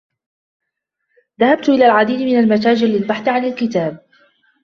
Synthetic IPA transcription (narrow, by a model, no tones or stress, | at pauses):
ðahab̚t̪ʔɪlaːlʕad̪iːd̪mɪnalmat̪̬aːd͡ʒɪllɪlbaħθʕanalkɪt̪aːb̚